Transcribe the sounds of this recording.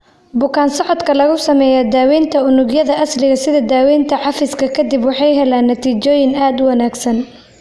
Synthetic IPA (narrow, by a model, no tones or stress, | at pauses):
bʊkʰaːnsɔʕɔd̪kʰɐlɐɣʊsɐmɛːjɐd̪aːwɛːnt̪ʰɐʊnʊɡjɐðɐʔɐslɪɣɐsɪðɐd̪aːwɛːnt̪ʰɐʕɑfɪskʰɐkʰɐd̪ibwɑħɑjɦɛlaːnːɐt̪ʰiːt͡ʃɔːjɪnaːd̪wɐnaːɡsɐn